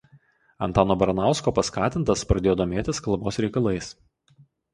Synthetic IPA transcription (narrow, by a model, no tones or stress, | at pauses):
ɐ̰nt̪ɑːnoːbɐɾɐnɑˑʊskoːpɐskɑːt̪ʲɪnt̪ɐspɾɐd̪ʲeːjoːd̪oːmʲeːt̪ʲɪskɐlˠboːsɾʲɛɪkɐlˠɐɪs